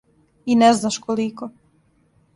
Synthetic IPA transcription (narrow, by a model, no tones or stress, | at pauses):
inɛznaʃkoliko